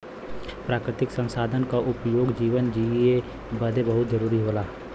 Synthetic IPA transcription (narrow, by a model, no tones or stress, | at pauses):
pɾaːkɾɪt̪ɪksə̃nsaːd̪ʱənkaʔʊpjoːɡd͡ʒiːʋənd͡ʒie | bəd̪ʱebəɦʊt̪d͡ʒəɾuːɾiɦoːlaː